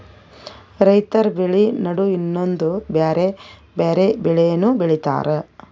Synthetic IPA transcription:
ɾɐjt̪ɐɾbiɭinɐɽuinːo̞nd̪ubeːɾe | beːɾebɛɭɛjɐnːubiɭit̪a̰ːɾe

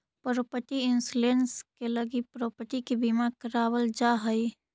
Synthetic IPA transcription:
pəɾəpət̪iɪnsulenskeləɡipɾopəʈ̪ikibimakəɾaːwəld͡ʒaɦəi

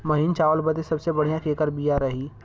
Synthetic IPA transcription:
mɐɦiːnt͡ʃaːʋəlbəd̪esɐbsebɐɽ̤jãkʰeːkəɾbijaɾɐɦiː

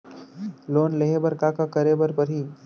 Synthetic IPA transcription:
loːnleɦebəɾkakakəɾebəɾpəɾɦiː

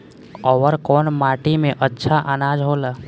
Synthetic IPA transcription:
ɔʋəɾkɔːnmaːʈimẽʔətːʃʰaʔənaːd͡ʒɦoːla

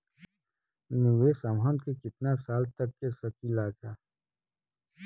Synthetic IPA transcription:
niwesamɦɔ̃nd̪kekɪt̪nasaːlt̪ɐkːesɐkilaːd͡ʒaː

